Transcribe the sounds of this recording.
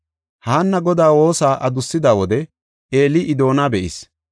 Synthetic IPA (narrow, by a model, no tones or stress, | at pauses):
haːnːɐɡɔd̪aːwo̞ːsaːʔɐd̪ʊsːɪd̪aːwɔd̪ɛ | ʔeːlɪʔɪd̪o̞ːnabɛʔɪs